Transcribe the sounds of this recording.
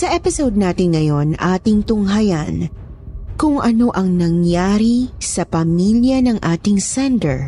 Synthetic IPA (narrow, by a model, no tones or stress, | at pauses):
sɐʔɛpɪsowd̪̚naːt̪ɪŋːɐjo̞nʔaːt̪ɪŋt̪ʊŋɦɐjan | kʊŋʔɐno̞ʔɐŋnɐŋjaːɾisɐpɐmiljɐnɐŋʔaːt̪ɪŋsɛnd̪ɛ̰ɹ